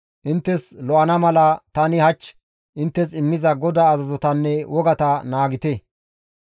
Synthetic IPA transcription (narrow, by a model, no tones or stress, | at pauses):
ʔɪnt̪ːɛslɔʔɐnɐmɐlɐt̪ɐnɪhɐt͡ʃː | ʔɪnt̪ːɛsɪmːɪzɐɡɔd̪aːzɐzɔt̪ɐnːɛwʔɔɡɐt̪ɐnaːɡɪt̪ɛ